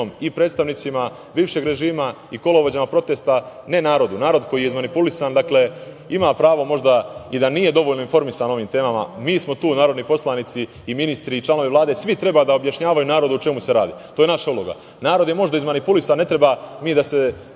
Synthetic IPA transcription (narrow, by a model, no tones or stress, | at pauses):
omipɾed̪st̪aʋnit̪sima | biːʋʃe̞ɡɾe̞ʒiːma | iko̞lˠo̞ʋod͡ʑamapɾo̞t̪e̞ːst̪ane̞naːɾo̞d̪unaːɾo̞d̪kʰo̞jijeizmanipulisand̪akle̞ | imaːpɾaːʋo̞mo̞ʒd̪aid̪anije̞d̪o̞ʋo̞ʎno̞info̞ɾmisano̞ʋiːmt̪e̞ːmama̰miːsmo̞t̪uːnaːɾod̪nipo̞slˠanit̪siː | minist̪ɾiːt͡ʃlˠano̞ʋiʋlˠaːd̪e̞sʋit̪ɾe̞baːd̪aobjaʃɲaːʋajunaːɾo̞d̪uut͡ʃe̞muse̞ɾa̰ːd̪ḭːt̪oje̞naʃaulo̞ɡa̰ | naːɾo̞d̪je̞mo̞ʒd̪aizmanipulisanːe̞t̪ɾe̞bamiːd̪ase